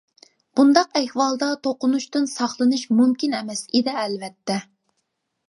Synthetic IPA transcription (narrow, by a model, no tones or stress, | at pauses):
b̥und̪ɑqɛhwɑlˠd̪ɑt̪ʰoqʊnuʃt̪ɨnsɑχlˠɨnɨʃmumkʲinɛmɛsed̪ɛːlvɛt̪ʰːɛ